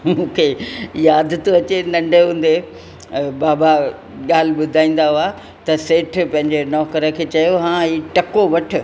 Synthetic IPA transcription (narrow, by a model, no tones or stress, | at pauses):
mũːkʰejaːd̪ʱt̪ʰoɐt͡ɕenɐ̃ɳɖʱeɦũːn̆d̪e | baːba | ɠaːl̤ɪɓʊd̪ʱaːĩːn̆d̪aɦua | t̪ɐseːʈʰpɐ̃ɦɪ̃ɲd͡ʑenɔːkəɾə̆kʰeːt͡ɕɐjoɦãːɦiːʈɐkoʋɐʈʰʊ̆